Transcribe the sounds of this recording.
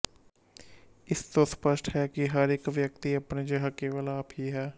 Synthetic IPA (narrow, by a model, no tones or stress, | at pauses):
ɪst̪ospəʃʈɦɛːkiɦəɾɪkʋjəkt̪iəpned͡ʒəɦəkeːʋalaːpiɦɛː